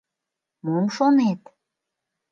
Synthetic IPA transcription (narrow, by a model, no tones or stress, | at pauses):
momʃonet̪